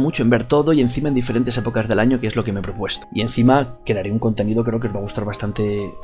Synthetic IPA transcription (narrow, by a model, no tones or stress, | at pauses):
mut͡ʃoe̞mbe̞ɾt̪o̞ðoie̞n̟θimaend̪ifeɾe̞nt̪ee̞po̞kazðe̞laɲo̞keezlo̞ke̞meepɾo̞pwe̞st̪o̥ie̞nθimakeɾeaɾeuŋko̞nt̪e̞niðok̬ɾe̞ok̬eo̞zβaɣ̞ust̪aɾβast̪ant̪e̞